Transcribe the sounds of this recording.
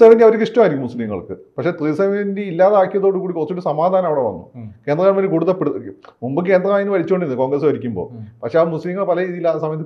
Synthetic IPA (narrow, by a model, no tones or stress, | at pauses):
ɐʋɐnːiɐʋɐɾekːiʂʈːɐmaːiɾikʲːumusliŋːɐ̰ɭkɨ̰pɐkʂe̞ːt̪riːsɐmindeilːaːðeaːkːijɐðo̞ːɽɨkuːɽikorɐt͡ɕːoɾusɐmaːd̪ʱaːnɐmɐʋiɽeʋɐ̰nːṵkend̪rɐkːaːɳmɐnːikuːɽuðɐpeɽmumbɨk̬e̞ːnd̪rɐaːjnɨʋɐɾit͡ɕːoːɳɖinːɨko̞ːŋɡrɐs̬uʋɐɾikʲːumbo̞̰ːpɐkʂe̞aːmusliŋːɐɭpɐlɐiːðilːaːsɐmɐjɐt̪̬ːi